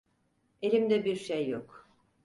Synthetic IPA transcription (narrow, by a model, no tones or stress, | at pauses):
e̞lʲimd̪ɛbiɾʃejːok